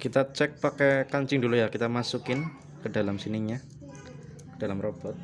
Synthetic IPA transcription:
kit̪at͡ʃɛk̚pakɛkaɲt͡ʃɪŋdulujakit̪amasukɪn | kədalamsiniɲa | kəd̥alamrob̥ɔt̪̚

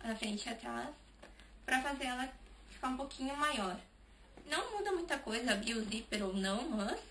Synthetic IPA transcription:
ɐfɾẽnt͡ʃɪat̪ɾas | pɾɐfazeɾɛlɐfi̥kaɾũpokʰĩɲʊmajɔɾ | nɐ̃w̃mũd̪ɐmũj̃t̪ɐkojzɐbiozipeɾownɐ̃w̃mɐs

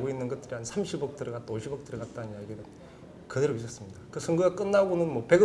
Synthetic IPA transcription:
ɡoinːɯnɡʌt̚t͈ɯɾiɦansʰamɕʰibʌk̚t͈ɯɾʌɡat̚t͈oɕʰibʌk̚t͈ɯɾʌɡat̚t͈annijaɡiɾɯn | kɯdeɾois͈ʌs͈ɯmɲidakɯsʰɯŋɡɯɡak͈ɯnːabonɯnmʌpe̞ɡɯ

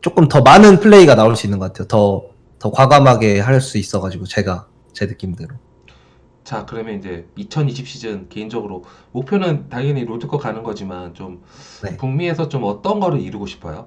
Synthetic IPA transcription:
t͡ɕ͈ok͈ɯmtʌmanɯnpʰɯɭːe̞iɡanaoɭs͈uinːɯnɡʌk͈atʰejotʌ | tʌkwaɡamɦaɡe̞ɦaɭs͈uis͈ʌɡad͡ʑiɡot͡ɕe̞ɡa | t͡ɕe̞nɯk͈imdɯɾo | t͡ɕakɯɾʌmjʌnind͡ʑe̞it͡ɕʰʌniɕʰip̚ɕ͈id͡ʑɯnke̞ind͡ʑʌɡɯɾomopʰjonɯntajiniɾodɯɡʌkanɯnɡʌd͡ʑimant͡ɕom | ne̞puŋmie̞sʰʌt͡ɕomʌt͈ʌnɡʌɾɯɾiɾɯɡoɕʰi̥pʰʌjo

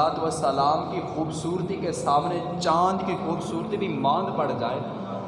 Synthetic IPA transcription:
aːt̪ʋəsəlaːmkixuːbsuːɾt̪ikesaːmne | t͡ʃãːnd̪kixuːbsuːɾt̪ibʱimãːnd̪pəɽd͡ʒaːeː

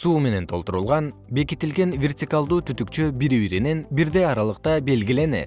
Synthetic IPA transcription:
suːme̞ne̞nt̪ʰo̞lˠt̪uɾulˠʁɑn | be̞kit̪ilɡe̞nvʲertʲɪkalˠd̪uːt̪ʰyt̪ykt͡ʃøbiɾβiɾinenbiɾd̪e̞jɑɾɑlˠɯq̚t̪ɑbe̞lɡile̞ne̞̰

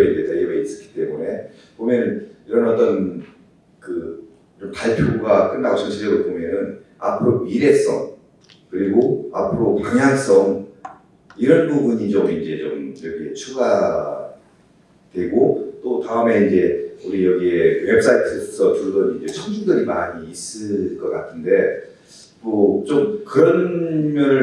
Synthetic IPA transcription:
iet͈ajeɡeis͈ɯ̥k͈ʰi̥t͈e̞mune̞ | pomjʌnɯniɾʌnʌt͈ʌn | kɯ | t͡ɕompaɭpʰjoɡak͈ɯnːaɡosʰʌɕʰid͡ʑedopomjʌnɯn | a̰pʰɯɾoiɾe̞s͈ʌ̰ŋ | kɯɾiɡoa̰pʰɯɾokaŋɦjaŋs͈ʌŋ | iɾʌnbubuɲid͡ʑomind͡ʑe̞t͡ɕomjʌɡiet͡ɕʰuɡa | twe̞ɡot͈otaɯme̞ind͡ʑe̞uɾijʌɡiewe̞p̚s͈aitʰɯpusʰʌt͡ɕuɾudʌnind͡ʑe̞t͡ɕʰʌŋd͡ʑuŋdɯɾimaɲiːs͈ɯɭk͈ʌk͈atʰɯnde̞ | mʌt͡ɕomkɯɾʌnmjʌnɯ

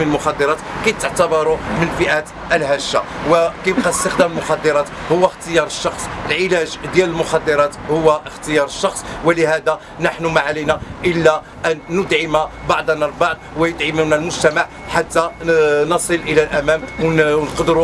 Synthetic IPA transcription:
mənəlmʊxɑd̪ːəɾˤɑt̪kijt̪ːəʕt̪ɑbɑɾˤumənfəʔæt̪ | ʔəlɦæʃːawəkijbqɑəst̪əxd̪æməlmʊxɑd̪ːəɾˤɑt̪hʊwːæxt̪əjɑɾˤəʃːɑxsˤəlʕɪlæʒd̪jæləlmʊxɑd̪ːəɾˤɑt̪hʊwːaʔəxt̪əjɑɾˤəʃːɑxsˤwələhæd̪a | naħnumaʕalinæʔəlːæ | ʔænːʊd̪ʕəmabɑʕd̪ˤnːɑlbɑʕd̪̚ˤwəjəd̪ʕəmunːælmʊʒt̪æmaʕ | ħat̪ːænɑsˤəlʔəlælʔæmæmwnqd̪ɾu

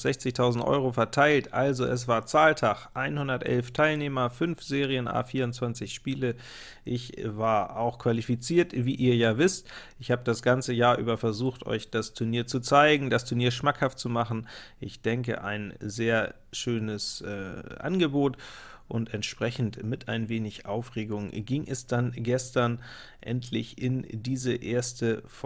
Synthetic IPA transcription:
z̥ɛçt͡sɪçtʰaʊzn̩tʔɔ̰ʏʁ̞ofɛɐtʰaɪltʔalzoʔɛs̬v̥aːɐt͡saːltʰaχʔaɪnhʊndɐtʔɛ̰lftʰaɪlneːmɐfʏnfz̥eːʁiənʔa̰ːfiːɐʊntt͡sv̥ant͡sɪçʃpiːlə | ʔɪçvaːɐʔaʊxkʰv̥alifit͡siːɐtviːʔiːɐjaːvɪstʔɪçhaːbədasɡ̥ant͡səjaːɐʔyːbɐfɛɐzuːxtʔɔ̰ʏçd̥astʰʊɐniːɐt͡sut͡saɪɡŋ̩dastʰʊɐniːɐʃmakhaft̚t͡sumaχn̩ʔɪçd̥ɛŋkə̰ʔa̰ɪnzeːɐ | ʃøːnəsʔɛ̰ːʔa̰nɡəboːtʔʊntɛntʃpʁ̥ɛçn̩tmɪtʰa̰ɪnveːnɪçʔaʊfʁeːɡʊŋɡiŋʔɛsd̥anɡɛstɐn | ʔɛ̰ntʰlɪçʔɪndiːzəʔeːɐstəf

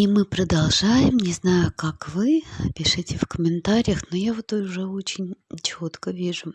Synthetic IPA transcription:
imɨpɾəd̪alˠʐajɪmnʲɪznajʊkakvɨpʲɪʂɨtʲɪfkəmʲɪnt̪aɾʲɪjəxnojavot̪oʊʐɛot͡ɕɪnʲt͡ɕo̞t̪kəvʲiʐʊ

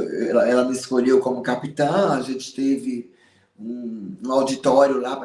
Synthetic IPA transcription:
ɛlɐɛlɐmɪɪskoʎewkõmʊkapit̪ɐ̃aʒẽt͡ʃɪ̥t̪evɪ | ũũawd͡ʒit̪ɔɾjʊlap

